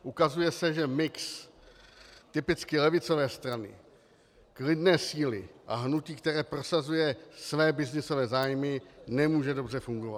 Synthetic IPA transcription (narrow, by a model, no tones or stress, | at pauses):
ʔukazujɛsɛʒɛmɪks | t̪ɪpɪt͡skɪlɛvɪt͡so̞vɛːst̪ɾanɪ̰ | klɪdnɛːsiːlɪʔa̰ɦnuciːkt̪ɛɾɛːpɾo̞sazujɛsvɛːbɪznɪso̞vɛːzaːjmɪnɛmuːʒɛdo̞brɛfuŋɡo̞vat̪